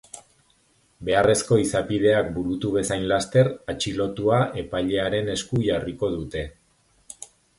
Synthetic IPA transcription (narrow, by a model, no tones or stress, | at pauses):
be̞are̞sko̞isapið̞e̞ak̚buɾut̪uβe̞sajnlast̪e̞ɾat͡ʃilo̞t̪uaʔe̞paʎe̞aɾe̞ne̞skuʝariko̞ðut̪e̞